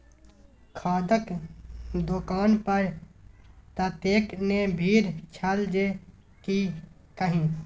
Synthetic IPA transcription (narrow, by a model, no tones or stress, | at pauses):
kʰaːd̪ək | d̪okaːnpəɾ | t̪ət̪eːknebʱiːɾt͡ʃʰəld͡ʒe | kiː | kəɦĩː